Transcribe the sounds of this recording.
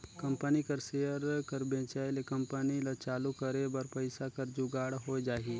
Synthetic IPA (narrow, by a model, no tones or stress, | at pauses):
kɐ̃mpənikɐɾseːjəɾkɐɾbẽːt͡ʃaːjlekɐ̃mpənilat͡ʃaːlukɐɾebɐɾpəɪsakɐɾd͡ʒuɡaːɽɦoːd͡ʒaːɦi